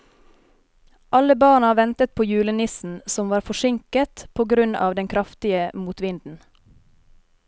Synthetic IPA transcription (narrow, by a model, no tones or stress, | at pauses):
ʔɑləbɑːɳɑʋɛnt̪ət̪̚pʰoːjʉːlənɪsn̩sɔmʋɑːɾfɔʃɪŋkət̪pʰoːɡɾʉnɑ̰ːʋd̪ɛŋkʰɾɑft̪ɪəmuːt̪ʋɪnd̪n̩